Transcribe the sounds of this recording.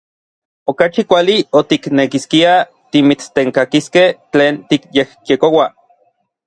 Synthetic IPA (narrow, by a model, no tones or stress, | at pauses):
okat͡ʃikʷaliot̪iknekiskia | t̪imit͡st̪eŋkakiskeht͡ɬeːnt̪ikjehkjekowa